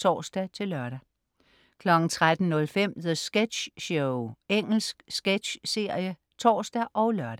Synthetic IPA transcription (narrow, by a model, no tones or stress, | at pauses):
t͡sʰɒ̰ːsd̥æt͡sʰe̝lɶɐɾ̥æ | kʰlɒ̽ɡ̥n̩t͡sʰʁad̥n̩nɔ̽lfem̰ðəsɡ̥ed̥ɕɕoʊeŋ̰l̩sɡ̥sɡ̥ed̥ɕse̝ɐ̰jə | t͡sʰɒ̰ːsd̥æʔɒ̽ʊlɶɐɾ̥